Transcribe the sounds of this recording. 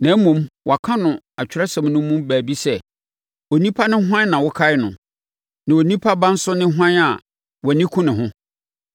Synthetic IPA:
nã˨˦m˦mũ˨mwʔɔ˨a˨kʰã˦nʊ̃˨ | a˨t͡ɕʰᶣɪ˦ɾɛ˦sã˨mnʊ̃˦mũ˦mbæː˨bi˦sɛ˦ | o˨nĩ˦pʰa˦nɪ̃˦ɦã˦n˦nã˨wʊ˦kʰa˦ɪ˦nʊ̃˨ | nã˨wo˨nĩ˦pʰa˦bã˦n̩˦sʊ˦nɪ̃˦ɦʷã˦na˨ | wɔ˨nĩ˦kʰũ˦nɪ̃˨ɦʊ̃˦

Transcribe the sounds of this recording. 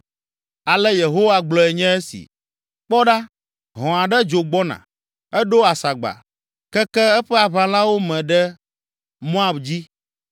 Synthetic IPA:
a˨lɛ˦je˨ɦo˦wa˦ɡ͡blɔ˨ɛ˨ɲɛ̃˦ɛ˦sḭ˨ | k͡pɔ˦ɖa˦ | ɦɔ̃˨a˨ɖɛ˦d͡ʒo˨ɡ͡bɔ˦nã̰˨ | ɛ˦ɖo˦a˨sa˨ɡ͡ba̰˨ | kɛ˦kɛ˦ɛ˦ɸɛ˦a˨βa˨l̃ã˦wo˦mɛ̃˨ɖɛ˦ | mõ˦a˦˨bd͡ʑi˦

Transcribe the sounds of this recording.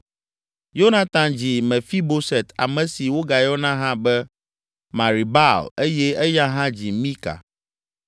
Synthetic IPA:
jo˦na˨t̪ã˨md͡ʑi˨mɛ̃˨fi˦bo˦sɛ˨t̪ʰa̰˨mɛ̃˨si˨wo˦ɡa˨jɔ˦nã˦ɦã˦bɛ˦ | mã˨ɾi˨ba˦le˦jɛ˦ɛ˦ja˦ɦã˦d͡ʑi˨mĩ˦ka̰˨

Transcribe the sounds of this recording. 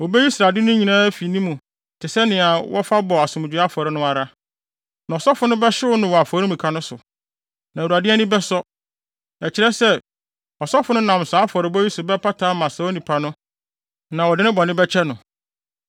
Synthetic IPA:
wɔ˨bɛ˦ji˦sɾa˨dɪ˦nʊ̃˦ɲi˨nãː˦fi˨nĩ˦mũ˨ | tʰɪ˨sɛ˦nɪ̃˨a˨wɔ̰˦fa˦bɔ˨a˨sʊ̃˨m˨d͡ʑᶣu˨ɾa˦fɔ˨ɾɪ˦nʊ̃˦a˨ɾa˦ | nã˨ɔ˨sɔ˦fʊ˨˦nʊ̃˦bɛ˦ɕɪ˦wʊ˦nʊ̃˦wɔ˨a˨fɔ˨˦ɾĩ˦mũ˨kʰa˨nʊ̃˦sʊ˨ | nã˨u˨a˨dɪ˦æ˦nĩ˦bɛ˦sɔ˦ | ɛ˨t͡ɕʰɪ˨ɾɛ˦sɛ˦ | ɔ˨sɔ˦fʊ˨nʊ̃˦nã˨m˨saː˨˦fɔ˨ɾɪ˨˦bɔ˦i˦sʊ˨bɛ˦pʰa˦tʰaː˨˦mã˨sa˨˦wɔ˦nĩ˨pʰa˨nʊ̃˦ | nã˨wɔ˨dɪ˦nɪ̃˦bɔ˨nɪ̃˦bɛ˦t͡ɕʰɛ˦nʊ̃˨

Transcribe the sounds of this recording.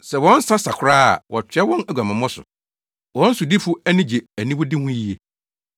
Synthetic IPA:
sɛ˨wɔ̃˦n̩˦sã˦sa˨kʰʊ˨ɾaː˦a̰˨wʔɔ̰˨t͡ɕʰᶣɥɛ˦wɔ̃˦næ˨ɡʷa˨mã˨mɔ̃˦sʊ̰˨ | wɔ̃˨˦n̩˦sʊ˨di˦fʊ˦æ˦nĩ˦d͡ʑe˨æ˨nĩ˦wʊ˦dɪ˦hʊ̃˦ji˨e˨

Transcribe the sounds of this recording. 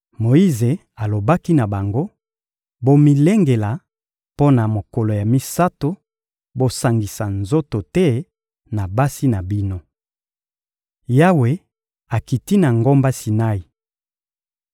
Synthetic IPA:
mo˨i˦ze˨ | a˨lo˨ba˦ki˦na˨ba˨ŋɡo˦ | bo˦mi˨le˦ŋɡe˨la˨ | po˦na˨mo˨ko˨lo˨ja˨mi˦sa˦to˦ | bo˦sa˨ŋɡi˨sa˨nzo˦to˨tɛ˦ | na˨ba˦si˦na˨bi˦no˦ | ja˦we˨ | a˨ki˨ti˦na˨ŋɡo˦mba˦si˨na˦i˨

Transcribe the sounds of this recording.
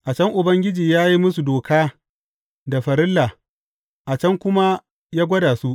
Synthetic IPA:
ʔa˨t͡ʃɐ˦ŋʔʊ˨bɐ˦ŋɡʲɪ˦d͡ʒiː˨jaː˦ji˦mʊ˦su˨doː˨kaː˦ | da˨ɸɐ˨ɾɪ˦lːa˨ | ʔa˨t͡ʃɐ˦ŋkʷʊ˦ma˦ | jaː˦ɡʷɐ˦daː˨su˦ʔ

